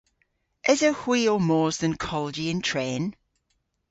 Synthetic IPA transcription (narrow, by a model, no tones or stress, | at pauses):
ʔɪzəhwiːəmɔːzðə̃nkʰɔləd͡ʒiɪ̃ntʰɹ̥ɛ̃ːn